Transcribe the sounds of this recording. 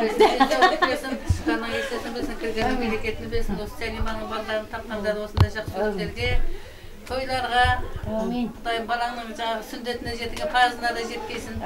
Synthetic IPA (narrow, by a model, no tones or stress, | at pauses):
beet̪et̪esɪnʰʃkɑnəŋest̪esɪnbeɾsɪŋkʲʰɪɾɡʲenɪŋmele̞kʲe̞t̪ɪnebelsɪnwo̞sə̥sælijmɑnəɴbɑɾˠd̪ˠɑɾnət̪ʰɑp̚qɑnd̪ɑɾd̪əwo̞snd̪ɑjʒɑqsəkʰɵɾɾele̞ɾɡʲe̞ | t̪ʰo̞jlˠɑɾʁɑ | d̪ɑjbɑlˠɑnəɴʒɑɴɑʁəsʏnd̪e̞t̪ɪneʒe̞t̪ɪɡʲepʰɑɾzənɑd̪ɑʒe̞t̪kʲe̞jsɪn